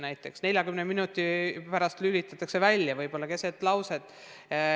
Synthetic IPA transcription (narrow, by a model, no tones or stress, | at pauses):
næjt̪ːˑe̞ksne̞lʲjɑkymneminut̪ːˑipæɾɑst̪lylit̪ːˑɑt̪ːˑɑkse̞vælʲjɑvɤjb̥o̞lːɑke̞set̪ːˑlɑwsed̪̥